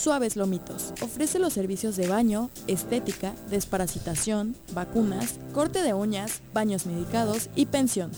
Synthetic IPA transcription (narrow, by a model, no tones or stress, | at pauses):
swaβe̞zlo̞mit̪o̞sofɾe̞se̞lo̞sːe̞ɾβisjo̞zðe̞βaɲo̞ | e̞st̪e̞t̪ikaðe̞spaɾasit̪asjo̞nbakunasko̞ɾt̪e̞ðe̞oɲasbaɲo̞zmeðikað̞o̞sipe̞nsjo̞n